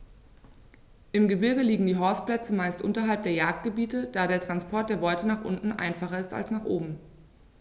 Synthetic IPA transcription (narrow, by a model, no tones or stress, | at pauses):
ʔɪmɡəbɪɐɡəliːɡŋ̩diːɦɔɐsplɛt͡səmaɪstʔʊ̰ntɐɦalp̚d̥eːɐjaːk̚t̚ɡ̥əbiːtəd̥aːɾeːɐtʁ̥anspʰɔɐt̚d̥eːɐbɔʏtənaːχʔʊ̰ntn̩ʔa̰ɪnfaχɐɪsta̰lsnaːχʔoːbm̩